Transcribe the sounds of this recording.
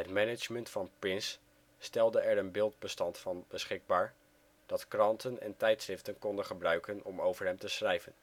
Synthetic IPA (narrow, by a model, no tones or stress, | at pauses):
ɦətmɛnət͡ʃməntfɑnpɪnsː | tɛlˠdəɛɹənbɪːlˠd̚bəstɑntfɑnbəsχɪɡ̚baːɹ | d̥ɑtkrɑntənɛ̰ntɛjtsrɪftənkɔndənχəbrœɥkənɔmowvəɹɦɛmtəsrɛjvən